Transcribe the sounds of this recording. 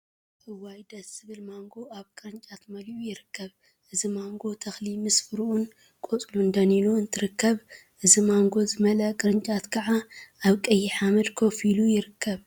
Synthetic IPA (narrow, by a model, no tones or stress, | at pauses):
ʔɨwːajd̪ɐsɨβɨlmaŋɡo̞aβkʼɨɾɨnt͡ʃʼat̪mɐliʔujɪɾɨkʰːɐβ | ʔɨzimaŋɡo̞t̪ʰɐxlimɨsfɨɾuʔun | kʼot͡sʼlund̪ɐninuɨnt̪ʰɨɾɨkʰːɐβʔɨzimaŋɡo̞zɨmɐlɐkʼɨɾɨnt͡ʃʼat̪kʰɐʕaʔaβkʼɐjːiħamɐd̪kʰo̞filujɪɾɨkʰːɐβ